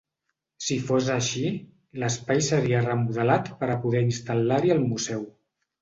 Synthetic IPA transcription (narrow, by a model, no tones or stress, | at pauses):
sifozəʃi | ləspajsəɾiərəmuðəlat̪pəɾəpuðɛinst̪əlaɾiəlˠmuzɛw